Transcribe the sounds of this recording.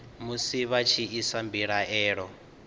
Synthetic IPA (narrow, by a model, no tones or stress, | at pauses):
musiβat͡ʃʰiisambiɺaʔɛːɺɔ